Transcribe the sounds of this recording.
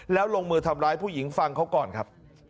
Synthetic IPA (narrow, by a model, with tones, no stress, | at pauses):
lɛː˦˥wlo˧ŋmɯː˧t̪ʰa˧mɾaː˦˥jpʰuː˥˩ji˩˦ŋfa˧ŋkʰa˦˥wkɔː˨˩nkʰa˦˥p̚